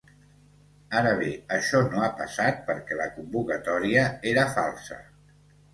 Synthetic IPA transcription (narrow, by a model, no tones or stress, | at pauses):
aɾəβ̞eəʃɔnoapəsat̪̚pəɾkɛləkumbukət̪ɔɾiəeɾəfalˠsə̰